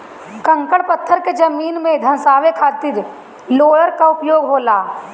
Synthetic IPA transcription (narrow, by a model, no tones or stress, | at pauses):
kɐ̃ŋkəɽpɐt̪ʰːəɾked͡ʒɐmiːnmẽd̪ʱɐnsaːʋekʰaːt̪ɪɾ | loːɽəɾkaʊpjoːɡɦoːlaː